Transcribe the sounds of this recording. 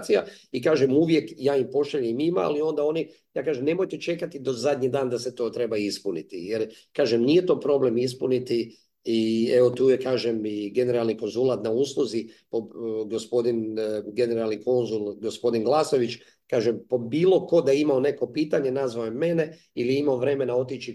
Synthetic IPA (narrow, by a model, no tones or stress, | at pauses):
t̪sijaikaːʒemuʋje̞kjaːimpo̞ʃaʎemimaa̰lio̞nd̪ao̞ni | jaːkaːʒemne̞mo̞jt̪e̞t͡ʃe̞kat̪id̪ozad̪ʲɲid̪aːnd̪aset̪o̞ːt̪ɾe̞baispunit̪ḭjeɾkaːʒemnije̞t̪o̞ːpɾo̞ble̞mispunit̪i | ie̞ʋo̞t̪uːjekaːʒemiɡe̞ne̞ɾalˠniko̞nzulˠat̪nauːslˠuzipoɡo̞spo̞d̪inɡe̞ne̞ɾalˠniko̞nzulˠɡospo̞d̪inɡlˠaːso̞ʋit͡ʃ | kaːʒempobiːlˠo̞ko̞d̪aimaone̞ko̞piːt̪aɲe̞nazʋaojemːe̞ne̞ | ilijimaoʋɾe̞me̞nao̞t̪it͡ʃi